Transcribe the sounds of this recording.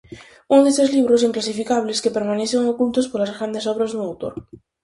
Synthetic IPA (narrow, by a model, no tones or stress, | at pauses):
unoðest̪ezliβ̞ɾosiŋklasifikaβle̞ske̞pe̞ɾmãneθeŋokult̪ospoɾlazɣɾand̪e̞soβ̞ɾazðuŋawt̪oɾ